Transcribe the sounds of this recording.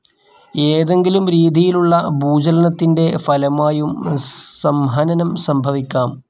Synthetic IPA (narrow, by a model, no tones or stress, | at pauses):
eːðe̞ŋɡilumɾiːd̪ʱijiluɭːɐbuːd͡ʑɐlɐnɐt̪ːinde̞fɐlɐmaːjumsɐmɦɐːnɐnɐmsɐmbʱɐʋikʲːaːm